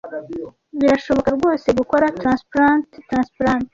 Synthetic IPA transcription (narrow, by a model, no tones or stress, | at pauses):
βiɾaʃo̞βo̞kaɾɡwo̞ːse̞ɡuko̞ɾatɾanspɾanttɾaːnspɾant